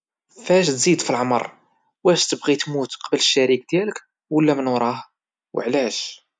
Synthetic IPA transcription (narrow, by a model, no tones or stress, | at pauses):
fæʃ̬t̪zid̪filʕmɑ̰ɾˤ | wæʃt̪əbʁit̪mut̪qɑbələʃːæɾik̚d̪jælək | wəlːæmənwɾˤɑh | wə̰ʕlæʃ